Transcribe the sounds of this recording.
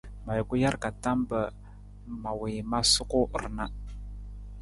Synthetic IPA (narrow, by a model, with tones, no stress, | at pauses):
ma˨jkʊ˦ja˦ɾka˨ta˦mbə˨ | ma˨we˨ma˦sʊ˦kʊ˦˨ɾna˦